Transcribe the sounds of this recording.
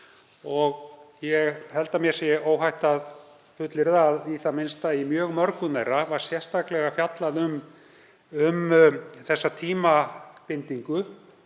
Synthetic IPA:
ɔɣjɛɣhɛlt̪amjɛ̥sjɛoːwɦajht̪að | fʏt̪lɪɾðaðiθamɪnst̪aimjœːɣmœɾkʏneːjɾavaɾ̥sjɛr̥st̪ʰaklɛɣafjat̪laðʏm | ʏmθɛsːat̪ʰiːmapɪnt̪iŋkʏ

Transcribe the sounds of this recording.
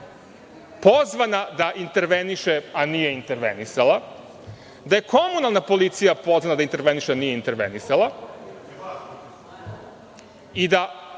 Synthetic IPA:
po̞zʋanad̪aʔint̪e̞ɾʋeniʃeanije̞int̪e̞ɾʋḛnisalˠa | d̪aje̞kʰo̞munalˠnapo̞lit̪sijapo̞zʋanad̪aint̪eɾʋe̞niʃeanijeint̪eɾʋḛnisalˠa | id̪a

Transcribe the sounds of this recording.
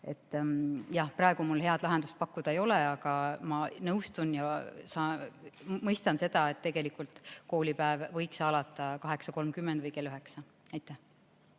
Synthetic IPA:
e̞̰t̪ːˑjɑhprɑeɡ̥umulhe̞ɑd̪̥lɑɦe̞nd̪̥ust̪̚pɑkːud̪̥ɑejo̞leɑɡ̥ɑmɑnɤwst̪unjɑsɑ | mɤjst̪ɑnse̞d̪̥ɑe̞t̪ːe̞ɡ̥e̞likːˑult̪ko̞ːlipæevvɤ̞jksɑlɑt̪ːˑɑkɑɦe̞ksɑko̞lmkymːend̪̥vɯjke̞lːyɦe̞ksɑ | ɑjt̪ˑːæh

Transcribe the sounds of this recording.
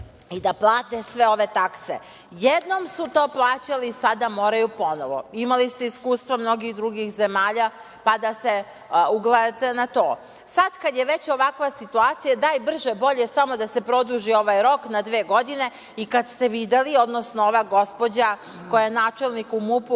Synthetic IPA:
id̪aplˠaːt̪esʋeo̞ʋet̪aksḛ | jed̪no̞msut̪o̞ːplˠaːt͡ɕalisad̪amo̞ːɾajupo̞noʋo̰imalist̪eiskuːst̪ʋamno̞ɡixd̪ɾuɡixzemaːʎa | pad̪ase | uɡlˠajat̪enat̪o̞ː | sad̪kad̪jeʋet͡ɕo̞ʋakʋasit̪uaːt̪sijad̪aːjbr̩ʒebo̞ʎesamo̞d̪asepɾo̞d̪uʒio̞ʋajɾo̞knad̪ʋeːɡo̞d̪ine̞ | ikad̪st̪e̞ʋid̪elio̞d̪no̞snooʋaɡo̞spo̞d͡ʑa | kojaenaːt͡ʃelnikumupu

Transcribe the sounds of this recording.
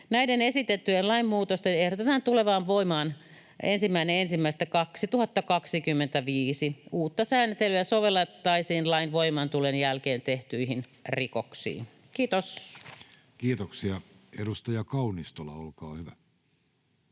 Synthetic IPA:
næidenesit̪et̪ːyjenlɑimːuːt̪ost̪enehɾot̪et̪ɑnt̪uleʋɑːnʋoimɑːn | ensimːæineensimːæist̪ækɑksit̪uhɑt̪ːɑkɑksikymːent̪æʋiːsiuːt̪ːɑsæːnt̪elyæsoʋelːɑt̪ːɑisiːnlɑinʋoimɑnt̪ulenjælkeːnt̪eht̪yihinrikoksḭːn | kiːt̪os | kiːt̪oksiɑedust̪ɑjɑkɑunist̪olɑ̰olkɑːhyʋæ

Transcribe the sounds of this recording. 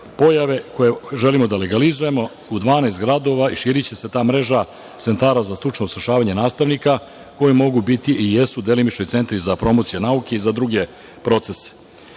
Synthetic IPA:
po̞jaʋe̞ko̞jeʒe̞limo̞d̪ale̞ɡalizuje̞mo̞ | ud̪ʋaːneːst̪ɡɾad̪o̞ʋaiʃiːɾit͡ɕe̞se̞t̪aːmɾe̞ʒa | t̪se̞nt̪aːɾazast̪ɾut͡ʂnousɾaʃaːʋaɲe̞naːst̪aʋnika | ko̞jemo̞ɡubit̪iʔijesud̪e̞limit͡ʃno̞jt̪se̞nt̪ɾizapɾo̞mo̞t̪sijenauke̞izad̪ɾuɡe̞ | pɾo̞t̪se̞se̥

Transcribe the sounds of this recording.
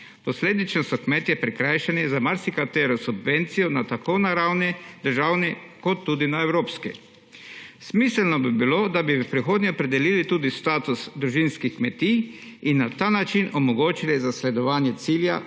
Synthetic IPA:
pɔsleːd̪it͡ʃnɔsɔkmeːt̪jɛpɾikɾajʃɛnizamaɾsikat̪eːɾɔsubʋent̪sijɔnat̪akonaɾawnid̪əɾʒaːwni | kɔt̪ːuːd̪inaewɾoːpskḭ | smiːsəlnɔbibilod̪abiʋəpɾixoːd̪nʲɛɔpɾɛd̪ɛlilit̪uːd̪ist̪aːt̪usd̪ɾuʒinskixkmɛt̪iinːat̪aːnat͡ʃinɔmɔɡoːt͡ʃilizaslɛd̪ɔʋaːnjɛt̪silja̰

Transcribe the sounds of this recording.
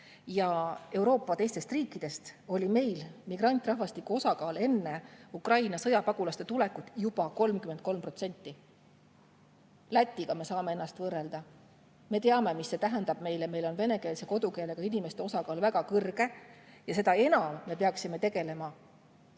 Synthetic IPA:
jɑe̞wɾo̞ːpːɑt̪e̞jst̪e̞st̪riːkːˑid̪̥e̞st̪o̞lʲime̞jlmiɡ̥rɑnʲt̪ːˑrɑɦvɑst̪ikːuo̞sɑkɑːle̞nːeukrɑjnɑsɤjɑpɑɡ̥ulɑst̪et̪ulekːˑut̪jub̥ɑko̞lmkyme̞nt̪̚ko̞lmpro̞t̪se̞nʲt̪ːˑi | læt̪ʲːiɡ̥ɑme̞sɑːme̞e̞nːɑst̪vɤːrːe̞ld̪̥ɑ | me̞t̪eɑme̞misːe̞t̪æɦend̪ɑb̥me̞jleme̞jlo̞nve̞ne̞ke̞ːlse̞ko̞d̪̥uke̞ːleɡɑinime̞st̪e̞o̞sɑkɑːlvæɡɑkɤrɡ̥e̞jɑse̞d̪ɑe̞nɑmːe̞peɑksime̞t̪e̞ɡe̞le̞mɑ

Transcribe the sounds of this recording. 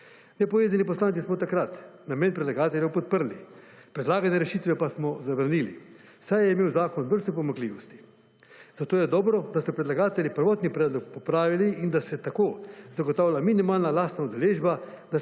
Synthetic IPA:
nɛpɔʋeːzanipɔslaːnsismɔt̪akɾat̪nameːnpɾɛd̪laɡaːt̪ɛljɛwpɔt̪̚pəɾlipɾɛd̪laːɡanɛɾɛʃiːt̪ʋɛpasmɔzaʋɾaniːlḭ | sajɛimeːwzaːkɔnbəɾst̪ɔpɔmakliːʋɔst̪i̥ | z̥at̪oːjɛd̪ɔːbɾɔd̪asɔpɾɛd̪laɡaːt̪ɛljipəɾʋɔːt̪nipɾɛːd̪lɔkpɔpɾaːʋiliʔind̪asɛt̪akoːzaɡɔt̪aːwlʲaminimaːlnalaːst̪naud̪ɛleːʒbad̪a

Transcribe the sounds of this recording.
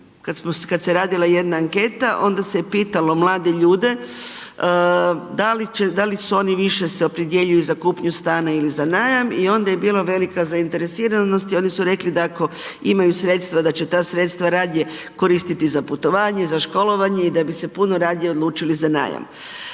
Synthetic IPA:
kad̪smoskad̪seɾaːd̪ilˠaje̞d̪naːŋke̞ːt̪aʔo̞nd̪asepiːt̪alo̞mlˠaːd̪e̞ʎuːd̪e̞ | d̪alit͡ʃed̪alisuo̞niʋiʃe̞seopɾid̪je̞ʎujuzakuːpɲust̪aːnailizanaːjamio̞nd̪ajebiːlˠaʋe̞likazaint̪e̞ɾesiːɾano̞st̪io̞ːnisuɾe̞klid̪aako̞imajusɾe̞t̪st̪ʋad̪at͡ɕe̞t̪aːsɾe̞t̪st̪ʋaɾaːd̪ɲe | ko̞ɾiːst̪it̪izaput̪o̞ʋaːɲezaʃko̞lo̞ʋaɲe̞id̪abise̞punoɾaːd̪ɲeo̞d̪luːt͡ʃilizana̰ja̰m

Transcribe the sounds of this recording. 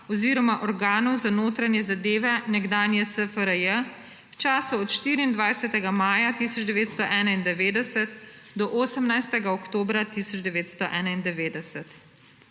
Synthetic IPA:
ɔziːɾɔmaʔɔɾɡaːnɔwzanoːt̪ɾanjɛzad̪eːʋɛnɛɡd̪aːnjɛsəfəɾəjə | wt͡ʃaːsuɔt̪ʃt̪iːɾiːnd̪ʋajsɛt̪ɛɡamaːjat̪isɔd͡ʒd̪ɛʋeːt̪st̪ɔʔɛːnaind̪ɛʋeːd̪ɛsɛt̪ | d̪ɔʔoːsəmnajst̪ɛɡaɔkt̪oːbɾat̪isɔd͡ʒd̪ɛʋeːt̪st̪ɔʔɛːnaind̪ɛʋeːd̪ɛsɛt̪

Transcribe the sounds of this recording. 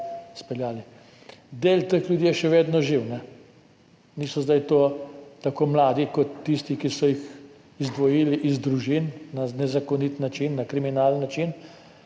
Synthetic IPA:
spɛljaːli | d̪eːlt̪exljud̪jiːjɛʃɛʋeːd̪nɔʒiwnɛ | niːsɔzd̪ajt̪oːt̪akoːmlaːd̪ikɔt̪ːist̪ikisɔjix | izd̪ʋɔjiːliʔizd̪ɾuʒinnanɛzakɔnit̪nat͡ʃinːakɾiminaːlənːat͡ʃin

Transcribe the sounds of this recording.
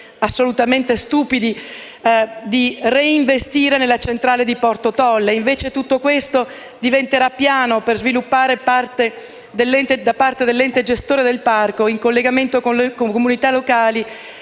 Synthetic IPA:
asːolut̪ament̪est̪uːpid̪i | d̪ireiɱvest̪iːɾenelːat͡ʃent̪ɾaːled̪ipɔrt̪ot̪ɔlːeiɱveːt͡ʃet̪ut̪ːokwest̪o | d̪ivent̪eɾapːjaːnoperzvilupːaːɾepart̪e | d̪elːɛnt̪ed̪apart̪ed̪elːɛnt̪ed͡ʒest̪oːɾed̪elparkoiŋkolːeɡament̪okonlkokomunit̪alːokaːli

